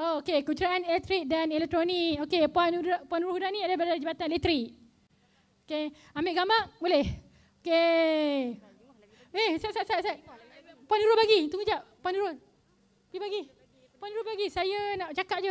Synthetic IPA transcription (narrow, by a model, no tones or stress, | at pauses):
ookekut͡ʃuɾaanelɛk̚t̪ɾik̚danelɛk̚t̪ɾoniokepuanudpuanuɾohudanĩadabaad͡ʒabat̪anelɛk̚t̪ɾiʔ | oke | ambeʔɡamaʔbolɛh | oke | ehsasaʔsaʔsaʔpuanuɾobaɡit̪uŋəd͡ʒaʔ̚puanuɾo | aibaɡi | puanuɾobaɡisajanaʔt͡ʃakaʔ̚d͡ʒu